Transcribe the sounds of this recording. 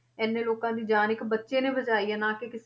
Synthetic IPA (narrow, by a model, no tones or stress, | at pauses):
ɛːnːẽːloːkãːd̪iːd͡ʒaːnɪkbətːʃeːnẽːbət͡ʃaːiːɛ̃ːnaːkekɪs